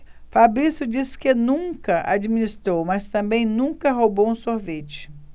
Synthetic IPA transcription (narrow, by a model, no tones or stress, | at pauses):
fabɾisʊd͡ʒiskɪnũkɐʔa̰d͡ʒiminist̪ɾowmɐst̪ɐ̃mbẽj̃nũkɐɦobowũsoɾvet͡ʃɪ̥